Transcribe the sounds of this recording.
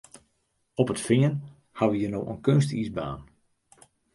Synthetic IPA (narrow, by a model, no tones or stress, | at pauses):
ɔpətfɪən | haʋəjənowʔə̰nkønstisba̰ːn